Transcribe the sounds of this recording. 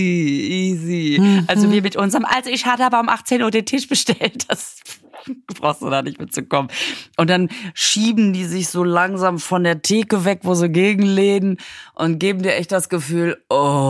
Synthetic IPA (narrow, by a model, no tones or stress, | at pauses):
iʔiːziʔalzoviːɐmɪtʔʊnzɐʁəmʔalzoɪçhaːbəhaːbɐʊmʔaχt͡seːnʔuːɐdeːntʰɪʃb̥əʃtɛlt̚d̥as | b̥ʁa̰ʊxstd̥ṵːdanɪçtmɪɐt͡sukɔmənʔʊntd̥anʃiːbm̩diːzɪçz̥oːlaŋzaːmfɔndeːɐtʰeːkəvɛkvoːziːɡeːɡŋ̩leːdən̩ʔʊnt̚ɡ̥eːbm̩diːɐʔɛçtd̥asɡ̥əfyːlʔɔ